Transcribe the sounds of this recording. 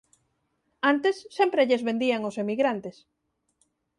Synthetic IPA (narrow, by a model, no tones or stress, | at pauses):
ant̪esːempɾeʎezβend̪iaŋosemiɣɾant̪es